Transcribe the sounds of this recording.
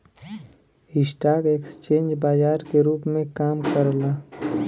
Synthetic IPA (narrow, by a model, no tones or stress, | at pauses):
ɪsʈaːkeːkst͡ʃẽːnd͡ʒbaːd͡ʒaːɾkeɾuːpmẽkaːmkəɾlaː